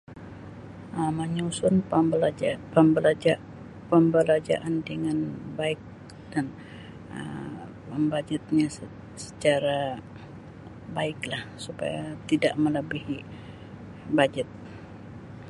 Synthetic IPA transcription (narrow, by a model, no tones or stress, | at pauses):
ʔəməɲusʊnblpəmbəlad͡ʒa | pəmbəlad͡ʒa̰ʔandəŋanbaɪk̚ | dan | ə̰ | pəmbad͡ʒət̪̚ɲa | sə̥t͡ʃaɾa | baɪklahsupa̰jat̪idaʔmələbihi | bad͡ʒət̪̚